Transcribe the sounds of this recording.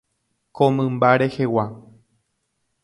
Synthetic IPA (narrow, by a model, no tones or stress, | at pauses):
kõmɨ̃mbaɾehewa